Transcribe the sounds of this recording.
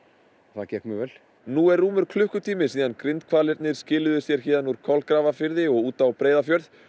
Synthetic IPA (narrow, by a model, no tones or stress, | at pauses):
θacɛkmʏvɛl | nuːɛrːuːmʏɾ̥kʰlʏhkʏt̪ʰiːmɪsiːðankɾɪnt̪kʰvaːlɪɾt̪nɪɾ̥scɪːlʏðʏsjɛɾ̥çɛːðanuɾ̥kʰɔlkɾaːvafɪɾðɪɔɣuːt̪awpɾeːjðafjœɾð